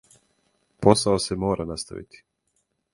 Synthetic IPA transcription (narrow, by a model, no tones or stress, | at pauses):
po̞saosemo̞ːɾanast̪a̰ʋḭt̪ʰi̥